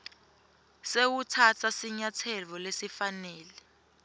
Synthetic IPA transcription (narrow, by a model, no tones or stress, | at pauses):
sewutʰatʰasiɲatʰɛlɔlesifanɛːlɛ